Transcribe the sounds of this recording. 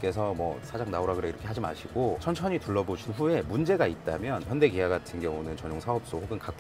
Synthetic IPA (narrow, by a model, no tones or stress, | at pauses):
k͈e̞sʰʌmʌ̰sʰad͡ʑaŋnaoɾaɡɯɾeiɾʌkʰead͡ʑima̰ɕʰiɡot͡ɕʰʌnt͡ɕʰʌɲituɭːʌbod͡ʑinɸue̞mund͡ʑe̞ɡait̚t͈a̰mjʌnɸjʌnde̞ɡijaɡatʰɯnɡjʌŋunɯnt͡ɕʌɲoŋsʰaʌp̚s͈ohɸoɡɯnkak